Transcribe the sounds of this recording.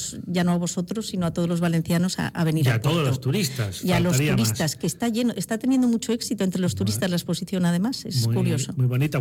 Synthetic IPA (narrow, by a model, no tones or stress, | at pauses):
sʝano̞aβ̞o̞so̞t̪ɾo̞sːinoat̪ozlo̞zβale̞nθjano̞sa̰a̰βe̞niɾat̪oðolost̪uɾist̪asialos̬tuɾisaskeːst̪aʝenoʔest̪at̪e̞njend̪omut͡ʃo̞e̞ksit̪oent̪ɾe̞lo̞st̪uɾist̪azlaespo̞siθjo̞naðe̞mase̞skuɾjo̞somujβonit̪a